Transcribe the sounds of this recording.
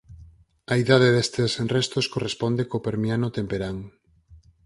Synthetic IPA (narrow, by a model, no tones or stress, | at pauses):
ɐiðaðeðest̪esenrest̪oskorespɔnd̪ekopeɾmianot̪empeɾaŋ